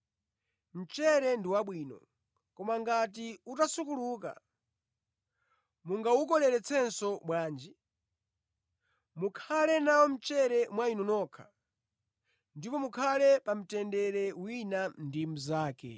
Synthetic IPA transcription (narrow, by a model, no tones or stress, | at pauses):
m̩t͡ʃɛɾɛndiwaɓwiːnɔ̰ | kɔmaŋɡat̬iutasukuluːka̰ | muŋɡauk̬ɔlɛɾɛt͡sʰɛnsɔmwaːnd͡ʒi | mukʰalɛnawɔm̩t͡ʃɛɾɛmwainɔnɔkʰḁ̰ | ndipɔmukʰalɛpam̩tɛndɛɾɛwinandim̩zaːkɛ̰